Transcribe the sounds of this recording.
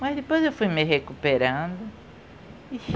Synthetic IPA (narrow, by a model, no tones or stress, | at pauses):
mɐzd̪epojzewfujmɪɦekupeɾɐ̃d̪ʊ | i